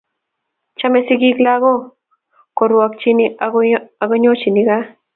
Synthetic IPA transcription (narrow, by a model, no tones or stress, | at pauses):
t͡ʃamesiɡiklaɣo | koɾuwak̚t͡ʃiniaaɣoɲot͡ʃiniɡa